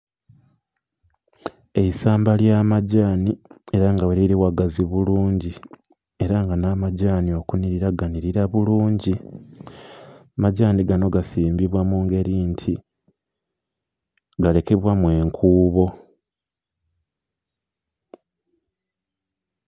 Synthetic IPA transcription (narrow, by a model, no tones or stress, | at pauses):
e̞isaːmbaljaːmaɟaːnie̞ɾaŋɡaweɾiɾiwaɡaziβuluːɲɟi | e̞ɾaŋɡanamaɟaːnio̞kuniɾiɾaɡaniɾiɾaβuluːɲɟi | maɟaːniɡano̞ɡasiːmbiβwamuːŋɡe̞ɾiːntʰi | ɡale̞ke̞βwamwe̞ːŋkʰuːβo̞